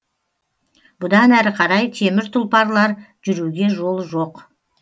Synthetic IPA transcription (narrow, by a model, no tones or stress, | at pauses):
bʊd̪ɑnæɾɪqʰɑɾɑjt̪ʰe̞mɪɾt̪ʰʊlˠpɑɾlˠɑɾʒʏɾuɡʲe̞ʒo̞lˠʒoq